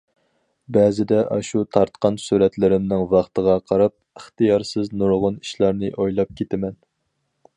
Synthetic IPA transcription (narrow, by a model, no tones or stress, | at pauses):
bɛzɪd̪ɛʔɑʃut̪ʰɑɾt̪qɑnsuɾɛt̪lɪɾɪmnɪŋvɑχt̪əʁɑqʰɑɾɑp̚əχt̪ɨjɑɾsɪznuɾʁʊni̥ʃlˠɑɾnɨʔojlˠɑp̚kʲʰet̪ʰɪmɛn